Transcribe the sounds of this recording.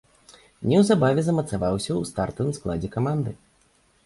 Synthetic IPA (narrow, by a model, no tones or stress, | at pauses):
nʲɛwzabavʲɛzɐmɐt̪savawsʲɐwst̪art̪ɐvɨmsklˠad͡zʲɛkamand̪ɨ